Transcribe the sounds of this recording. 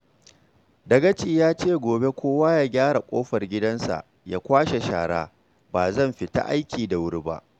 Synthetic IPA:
dɐ˨ɡɐ˦t͡ʃi˦˨jaː˦t͡ʃeː˦˨ɡʷoː˨be˦kʷoː˦waː˦jaː˦ɡʲaː˦ɽa˨kʷʼoː˦ɸɐ˨rɡʲɪ˦dɐ˦nsa̰˨ʔ | jaː˦kʷaː˦ʃe˨ʃa̰ː˨ɽa̰ː˦ | baː˨zɐ˦˨mɸɪ˨ta̰˦˨ʔa˦jkʲiː˨da˨wʊ˦ɾi˦ba̰˦ʔ

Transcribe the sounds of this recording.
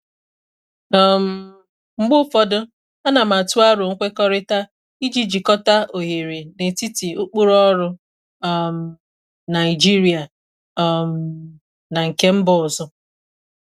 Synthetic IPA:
ɔ˦m̩˦ | ŋ͡m̩˦ɡ͡bʊ˦fɔ˦dʊ˦ | a˦na˨ma˨tu˦a˦ɾʊ˨ŋ̩˦kʷe˦kɔ˦ɾɪ˦ta˦ | i˦d͡ʒi˦d͡ʒi˨kɔ˦ta˦o˨ɦe˨ɾe˨ne˨ti˦ti˨u˦k͡pu˦ɾɔ˦ɾʊ˦ | m̩˨ | na˨i˨d͡ʒi˦ɾi˨˦a˨˦ | m̩˨ | na˨ŋ̩˨ke˦m̩˦bɔ˦˨zɔ˦

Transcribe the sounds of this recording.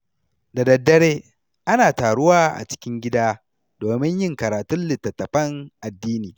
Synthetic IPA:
da˨dɐ˨dːɐ˦ɽeː˦ | ʔa˦naː˨taː˨ɽʊ˦waː˦˨ʔa̰˨t͡ʃɪ̥˦kʲɪ˦ŋɡʲɪ˦daː˦ | doː˨mɪ˦ɲjɪ˦ŋkɐ˨ɾaː˨tʊ˦nlɪ˨tːɐ˨tːɐ˨ɸɐ˦ŋʔa˨dːiː˦niː˨

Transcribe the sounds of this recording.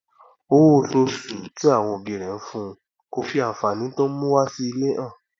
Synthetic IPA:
o˦o˨so˧su˨ti˨˦a˦˨w̃ɔ̃˧o˨bi˧˨ɾɛ˨n̩˦fũ˦˧ | ko˧fi˦a˨fa˧˨nĩ˨˦tõ˦mũ˦wa˦si˦i˧le˦ʔã˦˨

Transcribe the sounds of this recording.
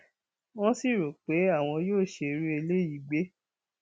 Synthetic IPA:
w̃ɔ̃˦si˦˨ɾu˨k͡pe˨˦a˦˨w̃ɔ̃˧joː˦˨ʃe˧ɾu˦e˧le˦i˨ɡ͡be˨˦

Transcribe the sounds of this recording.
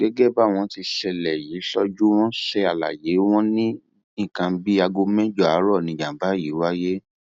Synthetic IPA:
ɡɛ˦ɡe˦ba˦˨w̃ɔ̃˧ti˧ʃɛ˧lɛ˨ji˨˦ʃɔ˧d͡ʒu˦w̃ɔ̃˦ʃɛ˧a˨la̰˨je˨˦w̃ɔ̃˦nĩ˦ | ĩ˦˨kã˧bi˦a˧ɡo˧mɛ̃˦d͡ʒɔ˦˨a˨˦ɾɔ˦˨nĩ˨d͡ʒã˨˦ba˨˦ji˨˦wa˦je˦

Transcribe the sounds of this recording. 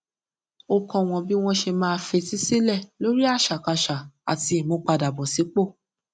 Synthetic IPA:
o˧kɔ̃˧w̃ɔ̃˧bi˦w̃ɔ̃˧ʃe˧mãː˦˧fe˧ti˦si˦lɛ˦˨lo˨˦ɾi˦a˦˨ʃa˨ka˧ʃa˨a̰˨ti˧˦i˨mõ˧k͡pa˧da˨bɔ˨si˨˦k͡po˦˨

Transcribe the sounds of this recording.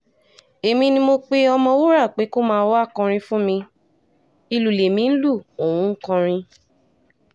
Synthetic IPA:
e˨mĩ˧nĩ˧mo˧k͡pe˦ɔ˧mɔ̃˧wo˦ɾa˦˨k͡pe˨˦ko˦mãː˦˧˦wa˦˨kã˧ɾ̃ĩ˧fũ˦mĩ˧ | i˨˧lu˨le˨mĩ˨˦n̩˦lu˦˨o˨w̃ũ˨˦ŋ̩˦kã˧ɾ̃ĩ˧

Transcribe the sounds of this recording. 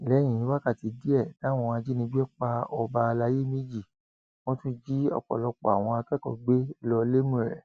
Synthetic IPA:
lɛ˨˦j̃ĩ˨ĩ˨˧˦wa˦ka˦˨ti˨˧di˦ɛ˦˨nã˨˦w̃ɔ̃˧a˧d͡ʒi˦nĩ˧bi˦ɛ˦k͡pa˧ɔ˧ba˧la˧˦je˦mĩ˦d͡ʒi˦˨ | w̃ɔ̃˦tũ˦d͡ʒi˦ɔ̰˧˨k͡pɔ̰˨lɔ˧k͡pɔ̰˨a̰˨w̃ɔ̃˧a˧kɛ˦kɔ̰˧ɡ͡be˦lɔ˧le˦mũ˦˨ɾɛ̰˨

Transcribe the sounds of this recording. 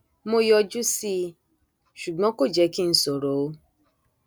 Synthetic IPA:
mo˦jɔ˧d͡ʒu˦si˦ | ʃu˨ɡ͡bɔ̃˦ko˦˨d͡ʒɛ˨˦ki˦n̩˦so˨ɾo˨˦o˦

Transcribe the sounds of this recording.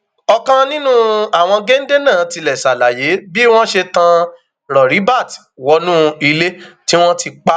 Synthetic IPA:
ɔ˧kã˦nĩ˦nũ˦a˦˨w̃ɔ̃˧ɡe˦n̩˦de˦nãː˦˨ti˧lɛ˨sa˨la˨je˨˦bi˦w̃ɔ̃˦ʃe˧tã˧ | ɾɔ˨ɾi˨˦ba˦˨twɔ˧nũ˦i˧le˦ti˦w̃ɔ̃˦ti˧k͡pa˦

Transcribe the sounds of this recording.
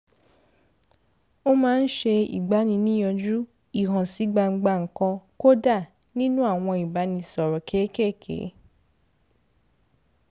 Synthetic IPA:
o˦mãː˦n̩˦ʃe˧ḭ˨ɡ͡ba˨˦nĩ˧nĩ˦j̃ɔ̃˧d͡ʒu˦ | i˨ɦã˨si˨˦ɡ͡ba˧ŋ͡m̩˧ɡ͡ba˧ŋ̩˨kɔ̃˧ko˦da˦˨nĩ˦nũ˦a˦˨w̃ɔ̃˧i˨ba˨˦nĩ˧sɔ˨ɾɔ˨kʰe˨˦ke˦˨kʰḛ˨˦

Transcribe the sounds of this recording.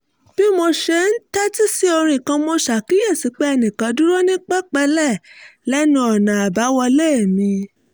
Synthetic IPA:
b̥i˦mo˧ʃe˧˦n̩˦ta˦ti˦si˦o˧ɾ̃ĩ˧˨kã˧mo˧ʃa˨ki˨˦jɛ˦˨si˨˦k͡pe˦ɛ˧nĩ˨kã˨˧˦du˦ɾo˦nĩ˦k͡pɛ˦k͡pɛ˧lɛ˦˨lɛ˦nũ˧˦ɔ˨nã˨a˨ba˨˦wɔ˧le˦˨mĩ˧

